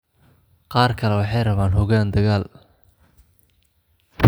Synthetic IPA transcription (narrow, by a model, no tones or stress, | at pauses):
qɑːrkʰɐlɛwɑħɑjrɐβaːnɦɔɣaːnd̪ɐɣaːl